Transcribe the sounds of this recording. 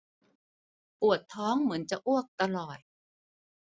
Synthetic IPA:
ʔu˨˩ət̪ʰːɔː˦˥ŋmɯ˩˦ənt͡ɕa˨˩ʔu˥˩ək̚t̪a˧lɔː˨˩t̪̚

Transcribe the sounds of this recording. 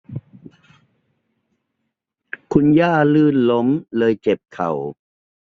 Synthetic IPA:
kʰu˧njaː˥˩lɯː˥˩nlo˦˥mlɤː˧jt͡ɕe˨˩p̚kʰa̰˨˩w

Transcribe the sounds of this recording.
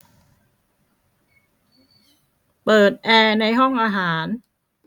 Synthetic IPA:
pɤː˨˩t̪̚ʔɛː˧na˧jɦɔ˥˩ŋʔaː˧ɦaː˩˦n

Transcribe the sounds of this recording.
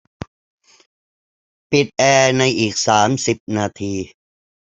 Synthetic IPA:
pi˨˩t̪̚ʔɛː˧na˧jʔiː˨˩k̚saː˩˦msi˨˩p̚naː˧t̪ʰiː˧

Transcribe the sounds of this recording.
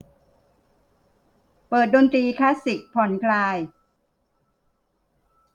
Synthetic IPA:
pɤː˨˩t̪̚do˧nt̪ɾiː˧kʰlaː˦˥si˨˩k̚pʰɔ˩˦nkʰlaː˧j

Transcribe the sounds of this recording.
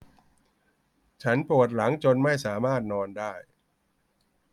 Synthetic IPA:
t͡ɕʰa˦˥npɾu˨˩t̪̚la˩˦ŋt͡ɕo˧nma˥˩jsaː˩˦maː˥˩t̪̚nɔː˧ndaː˥˩j

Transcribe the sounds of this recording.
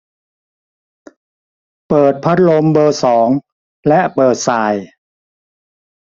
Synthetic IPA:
pɤː˨˩t̪̚pʰa˦˥t̪̚lo˧mbɤː˧sɔː˩˦ŋ | lɛ˦˥ʔpɤː˨˩t̪̚saː˨˩j

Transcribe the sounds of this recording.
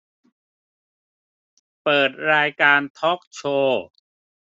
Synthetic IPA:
pɤː˨˩t̪̚ɾaː˧jkaː˧nt̪ʰɔ˦˥k̚t͡ɕʰoː˧

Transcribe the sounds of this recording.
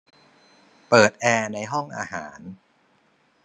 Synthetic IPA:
pɤː˨˩t̪̚ʔɛː˧na˧jɦɔ˥˩ŋʔaː˧ɦaː˩˦n

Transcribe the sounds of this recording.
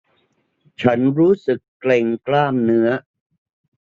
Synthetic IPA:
t͡ɕʰa˦˥nɾuː˦˥sɯ˨˩kːle˨ŋklaː˥˩mnɯ˦˥ɐ

